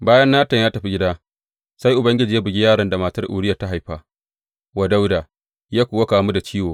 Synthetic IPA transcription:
baː˦jɐ˦nːaː˦tɐ˨ɲjaː˦tɐ˨ɸi˦ɡʲɪ˦daː˦ | sa˦jʔʊ˨bɐ˦ŋɡʲɪ˦d͡ʒiː˨ja˦bʊ˨ɡʲi˦jaː˦˨ɽɐ˨nda˨maː˨tɐ˦rʔṵː˨ɽɪ˦ja˨ta˦ɦa˨jɸaː˦˨ | wa˨da˦wdaː˨ | jaː˦kʷoː˨wa˦kaː˨mu˦da˨t͡ʃiː˦woː˨

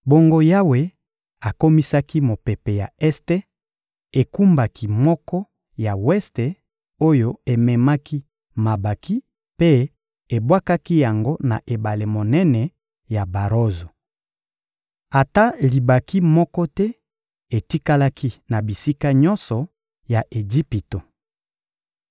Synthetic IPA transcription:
bo˦ŋɡo˦ja˦we˨ | a˨ko˦mi˦sa˦ki˦mo˨pe˨pe˨ja˨ɛ˦ste˦ | e˨ku˦mba˨ki˨mɔ˦kɔ˦ | ja˨wɛ˦ste˨ | o˦jo˦e˨mɛ˨ma˦ki˦ | ma˨ba˨ki˦ | pe˦ | e˨bwa˦ka˦ki˦ja˨ŋɡo˦na˨ʔe˨ba˨le˨mo˨nɛ˦nɛ˨ | ja˨ba˨ʁo˦zo˨ | a˨ta˦li˨ba˨ki˦mɔ˦kɔ˦tɛ˦ | e˨ti˦ka˦la˦ki˦na˨bi˨si˦ka˦ɲɔ̃˦nsɔ˨ | ja˨ʔe˨d͡ʒi˦pi˨to˨

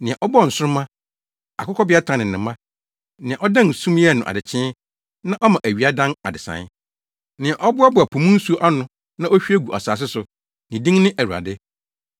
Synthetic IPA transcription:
nɪ̃˨a˨ʔɔ˦bɔ˦˨n̩˨sʊ˦ɾʊ˦mã˦ | a˨kʊ˦kɔ˦bɪ˦a˦tʰã˨nɪ̃˨nɪ̃˨mːã˦ | nɪ̃˨ã˨ʔɔ˦dã˦˨n˨sũ˦m˦ɛ˦˨nʊ̃˨ʔa̰˨dɪ˨t͡ɕʰɪ̃˦ | nã˦ʔɔ˦mã˨ʔæ˨ɥi˨˦a˦dã˦na˨dɪ˨sã̰˨n˦ | nɪ̃˨a˨ʔɔ˦bʊ˦a˦bʊ˨a˨pʰu˨mũ˦n̩˦su˦ʔa˦nʊ̃˦ | nã˦ʔo˦ɕᶣi˦æ˦ɡu˨ʔa̰˨saː˨s̬ɪ˦sʊ˨ | nɪ̃˨dĩ˦ŋnɪ̃˦ʔæ˨ɾu˨a̰˨dɪ˦

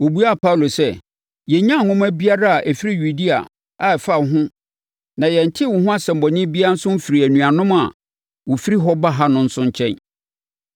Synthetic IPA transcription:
o˨bu˦a˦˨pʰa˦u˨lo˨sɛ˦ | jɛ˨ɲã˦˨ŋʊ̃˦mæ˦bi˦a˦ɾa˦a˨ʔæ˨fi˦ɾi˦ju˨di˦a̰˨ | a˨fa˦˨ɦʊ̃˦ | nã˨jɛ˨n̩˨tʰɪ˦wʊ˨ɦʊ̃˦a˦sɛ̃˨m̩˨bɔ˨ɲɪ̃˦bi˦a˦n̩˦sʊ̃˦m̩˦fi˨ɾi˨æ˨nũ˨a˨nʊ̃˦ma˨ | wo˨fi˦ɾi˦ɦɔ˦ba˦ɦa˦nʊ̃˦n̩˦sʊ̃˦ɲ˦t͡ɕʰɛ̃˦n

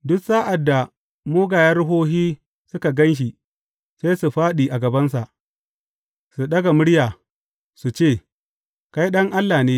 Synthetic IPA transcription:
dʊ˦ksaː˦ʔa˨dːa˨ | moː˦ɡaː˨jɐ˦rɦoː˦ɦiː˦ | sʊ˦ka˨ɡɐ˦nʃ̬i˨ | seː˦jsu˨ɸaː˦ɗiː˨ʔa˨ɡɐ˨bɐ˦nsa˨ʔ | su˨ɗɐ˦ɡa˨mʊ˦ɽjaː˨ | su˨t͡ʃeː˦˨ | ka˦jɗɐ˦ŋʔa˦lːaː˨neː˦

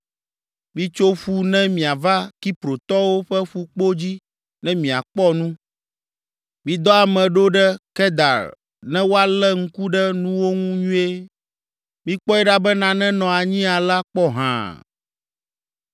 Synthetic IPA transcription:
mĩ˦t͡ʃo˦ɸu˦nɛ̃˦mĩ˨a˨va˦ki˦pɾo˨t̪ɔ˦wo˦ɸɛ˦ɸu˦k͡po˦d͡ʑi˦ | nɛ̃˦mĩ˨a̰˨k͡pɔ˦nũ˦ | mĩ˨d̪ɔ˦a˨mɛ̃˨ɖo˦ɖɛ˦kɛ˦d̪a̰˨ɾ | nɛ̃˦wo˦a˦lɛ˦ŋ̩˦ku˦ɖɛ˦nũ˦wo˦ŋũ˦ɲũ˦e˦ | mĩ˦k͡pɔ˦ɛ˦ɖa˦bɛ˦nã˨nɛ̃˦nɔ̃˨a˨ɲĩ˦a˨la˦k͡pɔ˦ɦã̰˨

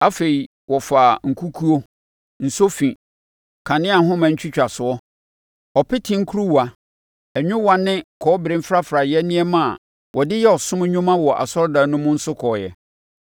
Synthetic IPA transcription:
a˦fe˨i˨ | wɔ˨fa˨ŋ̩˨kʰu˦kʰu˦o˦ | n̩˨so˦fĩ˨ | kʰã˨nɪ̃˦a˨ɦʊ̃˦mã˨ɲ̩˦t͡ɕʰᶣi˦t͡ɕᶣa˨sʊ˨ɔ˦ | ɔ˨pɪ˦tʰɪ̃˦ŋ̩˦kʰu˦ɾu˦wa˨ | ɛ˨ɲᶣʊ̃˦wã˦nɪ̃˦kʰɔː˨˦bɪ˨ɾɪ̃˦m˦fɾa˦fɾa˨jɛ˦nĩ˦ɛ˦mã˨ | wʔɔ˨dɪ˦jɛ˦ɔ˨sʊ̃˦m˦ɲᶣʊ̃˦mã˦wɔ˨ʔa̰˨sɔ˦ɾda˨˦nʊ̃˦mʊ̃˦n̩˦sʊ˦kʰɔː˨jɛ̰˨

